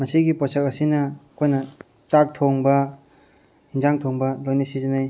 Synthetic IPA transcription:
mɐsiɡiposɐkɐsinɐːkʰojnɐ | t͡ʃak̚tʰoŋbɐ | hinzaŋtʰoŋbɐlojnɐsizɐnaj

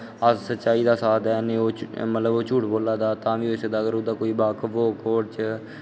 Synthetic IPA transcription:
əssətːt͡ʃaːiːd̪aːsaːd̪ɛːnẽːoːmət̪ləboːt͡ʃuːʈboːlaːd̪aːt̪ãːʋiːoːɪsed̪aːɡəɾod̪aːkoːiːbaːkʋoːkoːɾt͡ʃ

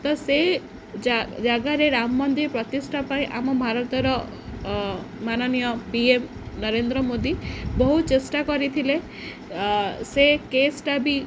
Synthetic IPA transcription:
t̪ɔse | d͡ʒaɡaɾeɾamɔːɔnd̪ipɾɔt̪isʈʰapaĩʔamɔbʱaɾɔt̪ɔɾɔ | manɔnijɔpiem | nɔɾend̪ɾɔmod̪ibɔɦut͡ʃesʈakɔɾit̪ʰile | sekesʈabi

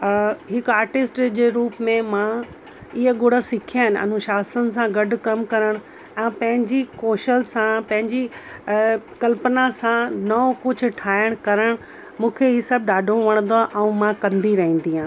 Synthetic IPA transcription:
ɦɪkaːɾʈɪsʈd͡ʑeːɾuːpmẽmã | ɪɦəɡʊɽəsɪkʰijaːɦɪnɪʔɐ̰nʊʃaːsən̆s̬ãɡɐɖʱʊkɐmkɐɾəɽ̃ | ɛ̃ːpɐ̃ɦɪ̃ɲd͡ʑikoːʃəlsãpɐ̃ɦɪ̃ɲd͡ʑi | kɐlpənasãnɐokʊd͡ʑʱʊ̆ʈʰaːɪəɽ̃kɐɾəɽ̃ | mũːkʰeɦiːsɐb̚ɗaːɖʱoʋɐɽ̃ə̃nd̪oaʔɛ̃ũmãkɐ̃nd̪iɾɐɦĩːn̆d̪iɦãː

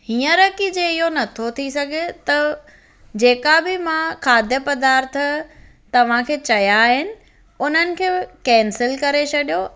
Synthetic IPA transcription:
hiːə̃ɾɐkid͡ʑeɪɦonɐt̪ʰot̪ʰisɐɡʱet̪ɐ | d͡ʑeːkabɪmãkʰaːd̪ʱjəpɐd̪aːɾt̪ʰ | t̪ɐʋ̤ãkʰeːt͡ɕɐjaɦɪnɪ̆ | ʊn̤ənɪ̆kʰeːkɛ̃ːnsɪlkɐɾet͡ɕʰɐɗijo

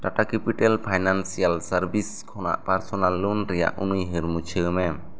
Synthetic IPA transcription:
ʈaʈakɛpiʈɛlpʰajnansijalsaɾbiskʰɔna̰ʔpaɾsɔnalːunɾɛja̰ʔṵnujɦɯɾmut͡ʃʰiɾmɛ

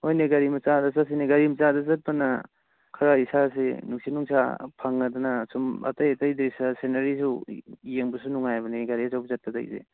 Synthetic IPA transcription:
ojneɡɐɾimɐt͡ʃadasas̬ineɡɐɾimt͡ʃadazat̚pana | kʰɐɾaisas̬enuŋsinuŋsa̰pʰaŋːadanasuma̰tajtajdeisasenaɾisujeŋbusunuŋajbɐniɡaɾiazawbzɐt̚pada̰jzḛ

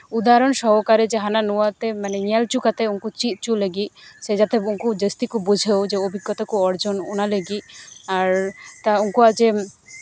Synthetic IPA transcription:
ud̪aɾonʃɔɦokaɾed͡ʒeɦananuat̪emaneŋalt͡ʃukat̪euŋkut͡ʃit̪̚t͡ʃuleɡiʃed͡ʒat̪euŋkud̪əst̪ikubud͡ʑʱewd͡ʑeobʱiɡːɔt̪akuɔɾd͡ʒonunaleɡiaɾt̪auŋkuad͡ʒe

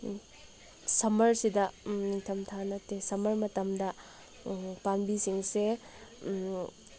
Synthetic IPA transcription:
sɐmɐɾsidɐniŋtʰɐmtʰanɐtesɐmɐɾmɐtɐmdɐ | panbisiŋse

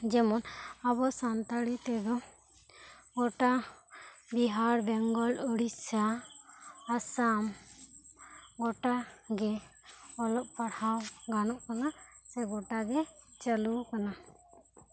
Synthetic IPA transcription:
d͡ʒɛmɔnabɔsant̪əɽit̪ɛd̪ɔ | ɡɔʈa | biɦaɾbɛŋɡɔluɽisaː | sam | ɡɔʈaɡɛ | ɔlɔʔ̚pʰaɽhawɡanɔʔkanasɛɡɔʈaɡɛt͡ʃəlukana

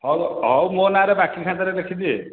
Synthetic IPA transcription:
ɦɔwɦɔwmonaɾebakikʰãt̪aɾed̪ekʰid̪i

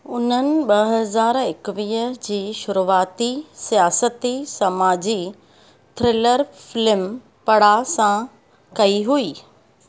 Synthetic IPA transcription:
ʊnənɪ̆ɓɐɦɐzaːɾɪkʋiːəd͡ʑiːʃʊɾuaːt̪isijaːsət̪isɐmaːd͡ʑi | t̪ʰɾɪːləɾfɪlɪm | pɐɽ̤asã | kɐiɦuiː

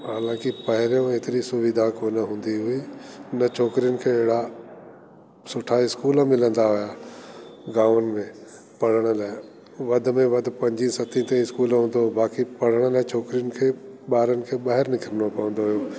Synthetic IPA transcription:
ɦaːlãːkipɐɦɪɾijõeːt̪ɪɾisʊʋɪd̪ʱakoːnəɦũːnd̪iɦʊinɐt͡ʃʰoːkɾijənɪ̆kʰeːɦɽa | sʊʈʰaɪskuːlmɪlə̃nd̪aɦʊja | ɡãːənɪ̆mẽ | pɐɽ̤əɽ̃ə̆laːɪ | ʋɐd̪̆ʱmẽʋɐd̪ʱpɐ̃ɲd͡ʑisɐt̪ʰĩt̪ẽɪskuːlɦũːnd̪obaːkipɐɽ̤əɽ̃əlaːt͡ʃʰoːkɾijənɪ̆kʰeː | ɓaːɾənɪ̆kʰeːɓaːɦɛɾnɪkəɾənopɐə̃nd̪oɦʊjoː

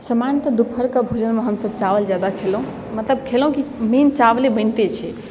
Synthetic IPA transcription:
səmant̪əd̪upʰəɾkəbʱud͡ʒənmeɦəmsəb̚t͡ʃaʋəld͡ʒjad̪akʰelɦũ | mət̪ləb̚kʰelɦũkiment͡ʃablebənt̪et͡ʃʰɛ

